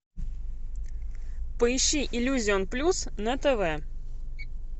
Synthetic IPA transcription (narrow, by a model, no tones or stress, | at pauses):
pəɪɕːiʔɪlʲuzʲɪonplʲusnət̪ɛvɛ